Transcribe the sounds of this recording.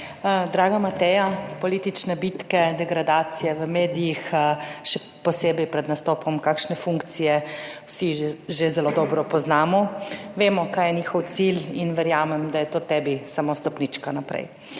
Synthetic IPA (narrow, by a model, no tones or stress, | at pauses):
d̪ɾaːɡamat̪ɛjapɔliːt̪it͡ʃnɛbit̪kɛd̪ɛɡɾad̪aːt̪sijɛʋəmeːd̪ijixʃɛ | pɔseːbɛjpɾɛd̪nast̪oːpɔmkaːkʃnɛfuŋkt̪sijɛwsiʒezɛloːd̪ɔːbɾɔpɔznaːmɔʋeːmɔkaːjɛniːxɔwt̪silinʋɛɾjaːmɛmd̪ajɛt̪oːt̪ɛːbisamost̪ɔpnit͡ʃkanapɾɛ̰j